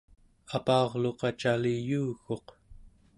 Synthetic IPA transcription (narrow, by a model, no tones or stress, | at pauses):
apɑːʁlo̞qɑt͡ʃalijuːxo̞q